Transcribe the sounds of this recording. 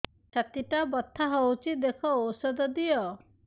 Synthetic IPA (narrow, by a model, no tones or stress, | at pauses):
t͡ʃʰat̪iʈabɔt̪ʰːaɦowt͡ʃʰid̪ekʰɔːwsɔd̪ɔd̪ijɔ